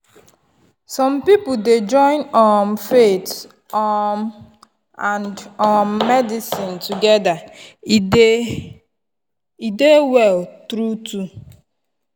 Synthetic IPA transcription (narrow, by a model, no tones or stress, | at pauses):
sɔ̃mpipuded͡ʒɔ̃ɪ̃nɔmfet | ɔm | ãnɔmːɛdisɪ̃ntuɡɛda | idewɛltɾutu